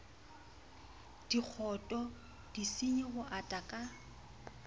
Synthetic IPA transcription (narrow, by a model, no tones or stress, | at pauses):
d̥ik͡xʰɔtʼɔ | d̥isiɲɪɣʊʔatʼakʼa